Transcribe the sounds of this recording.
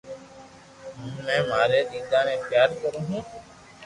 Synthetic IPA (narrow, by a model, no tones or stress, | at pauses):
ɦʊmːɛ̃ːmaːɾeːɗ̪iːt̪aːnẽːxjaːɾkəɾũːɦũː